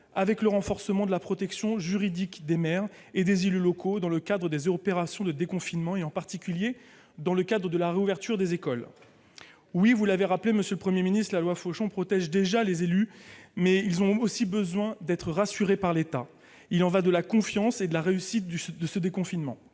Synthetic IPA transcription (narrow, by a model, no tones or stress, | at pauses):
avɛkləʁɑ̃fɔʁsəmɑ̃d̪əlapχɔt̪ɛksjɔ̃ʒyʁid̪ikd̪emɛʁ | ed̪ezelylɔkʰod̪ɑ̃ləkad̪ʁəd̪ezpeʁasjɔ̃d̪əd̪ekɔ̃finmɑ̃eɑ̃paʁt̪ikʲylje | d̪ɑ̃ləkad̪ʁəd̪əlaʁeuvɛʁt̪yʁd̪ezekɔl | wivulaveʁapleməsjøləpχəmjeminist̪χlalwafoʃɔ̃pχɔt̪ɛʒd̪eʒalezelymɛilzɔ̃osibəzwɛ̃d̪ɛt̪χəʁasyʁepaʁlet̪a | ilɑ̃vad̪əlakɔ̃fjɑ̃sed̪əlaʁeysit̪̚d̪əsəd̪ekɔ̃finmɑ̰̃